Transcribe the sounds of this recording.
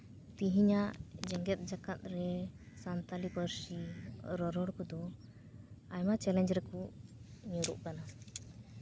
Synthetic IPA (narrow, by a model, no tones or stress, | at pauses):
t̪iɦiɲaʔd͡ʒɛŋɡɛt̪̚ˀd͡ʒakat̪̚ɾɛsant̪alibəɾsiɾɔɾɔɽkɔd̪ɔ | ajmat͡ʃɛlɛɲd͡ʒɾɛkuɲuɾuʔkana